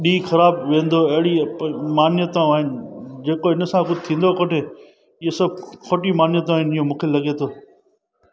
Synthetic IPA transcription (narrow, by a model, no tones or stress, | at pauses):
ɗiːxɐɾaːbʋẽːnd̪oɐɦɪɽimaːnjət̪õaːɦɪnd͡ʑeːkoɦɪnəsãkʊd̪t̪ʰĩːnd̪okoʈʰe | iːesɐb̚ʱkʰoːʈimaːnjət̪̬õaːɦɪnɪːõmũːkʰelɐɠet̪ʰoː